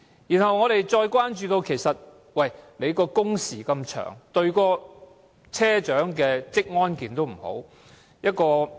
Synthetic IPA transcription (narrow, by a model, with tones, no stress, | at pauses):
jiː˨˩nhɐ˨wŋɔː˨˧ɾe˨jt͡ʃɔː˧jkwaː˥nt͡ʃyː˧t̪o˧wkʰe˨˩jsɐ˨t̚ | wɐ˨˩jle˨˧jkɔː˧kʊ˥ŋsiː˨˩kɐ˧mt͡ʃʰœ̰ː˨˩ŋt̪ɵ˧ɥkɔː˧ | t͡sʰɛː˥t͡ʃœː˨˥ŋkɛː˧t͡sɪ˥k̚ŋɔː˥nkiː˨˩nt̪o˥wm̩˨˩ho̰˨˥w | jɐ˥t̚kɔː˧